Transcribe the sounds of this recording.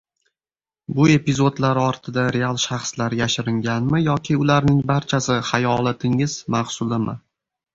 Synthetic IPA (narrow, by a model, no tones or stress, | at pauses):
bʊe̞pɪzo̞d̪laɾɒɾt̪ʰɪd̪aɾe̞alˠʃaχslaɾjaʃɪɾɪŋɡʲanmɪjɒkʲʰɪʊlaɾnɪŋbaɾt͡ʃʰasɪhajɒlˠat̪ʰɪŋɪz̥maχsʊlˠɪmɪ